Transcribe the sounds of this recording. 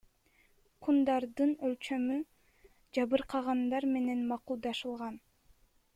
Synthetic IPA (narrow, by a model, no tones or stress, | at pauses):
qʰund̪ɑɾd̪ɯnølt͡ʃø̞my | d͡ʒɑβɯɾqʰɑʁɑnd̪ɑɾme̞ne̞nmɑqulˠd̪ɑʃɯlˠʁɑn